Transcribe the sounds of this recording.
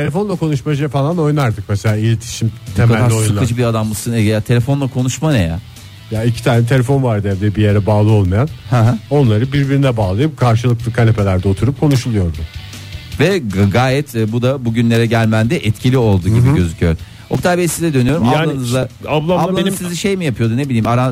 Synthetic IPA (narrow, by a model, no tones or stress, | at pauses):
t̪ʰelʲefo̞nlˠakʰo̞nuʃmaʒɛfalˠano̞jnaɾd̪ɯk̚mɛselʲaːilʲet̪ʰi̥ʃimt̪ʰemkalaːojsukad͡ʒɯbiɾad̪ambɯsɯnjat̪ʰe̞lʲe̞fo̞nlˠakʰo̞nuʃmanɛjɛ̰ | jaicʰi̥t̪ʰaːnɛt̪ʰeefo̞nvaɾd̪ɯɛvd̪ɛbijeɾɛbaːlˠɯo̞lˠmajanhãɦao̞nlˠaɾɯbiɾbiɾinɛbaːlˠɯjɯp̚kʰaɾʃɯlˠɯk̚lˠɯkʰanepʰe̞lʲæɾd̪ɛo̞t̪ʰuɾup̚kʰo̞nuʃulˠujo̞ɾd̪ʊ | vɛɡaːjɛt̪ːbud̪abuɟynʲe̞ɾɛɟælʲmænd̪ɛʔɛt̪cʰilʲio̞lˠd̪uɟibiɟø̞zycʰyjøɾ | okʰt̪aɾbesizɛd̪ønyjo̞ɾumaaaanɯzlˠaablˠaablˠanmsiziʃe̞jmijapʰɯjo̞d̪une̞bilʲiːmaɾan